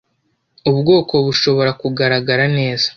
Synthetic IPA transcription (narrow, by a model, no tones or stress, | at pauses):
uβɡo̞ːko̞βuʃo̞βo̞ɾakuɡaɾaɡaɾane̞ːzḁ